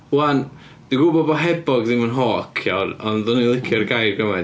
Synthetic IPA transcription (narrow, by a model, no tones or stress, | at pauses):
wan | d̥iɡubɔbɔɦɛbɔɡðɪmənɦɔːkʰjawɾɔnðʊnilˠɪkʰiɔrɡajrɡəma